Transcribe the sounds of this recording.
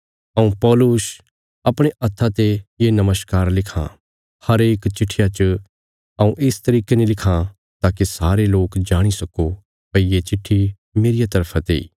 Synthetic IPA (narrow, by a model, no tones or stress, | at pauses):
ɐũpɔːlus | ɐpɽ̃eʔɐt̪ʰːat̪ejenɐməskaːɾlɪkʰã̰ | hɐɾeːkt͡ʃɪʈʰːɪjat͡ʃ | ɐũʔɪst̪ɐɾiːkenĩlɪkʰã | t̪aːkisaːɾeloːkd͡ʒaːɽ̃isɐko | pɐijet͡ʃɪʈʰːi | meːɾɪjat̪ɐɾpʰat̪eḭː